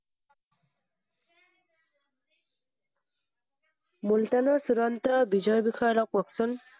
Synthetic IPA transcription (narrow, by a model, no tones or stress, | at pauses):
multanɔsuɾɔnt̪ɔbizɔjbixʰajɔlɔkpɔksun